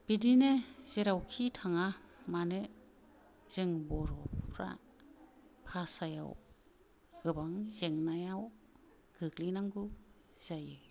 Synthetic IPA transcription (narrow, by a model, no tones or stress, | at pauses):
b̥idinez̥eɾawkʰitʰaŋamane | z̥eŋbɔɾɔɾa̰ | pʰasaja̰w | ɡ̥ɯbaŋzeŋnajaw | ɡ̥ɯklinaŋɡɯ | z̥ajɯ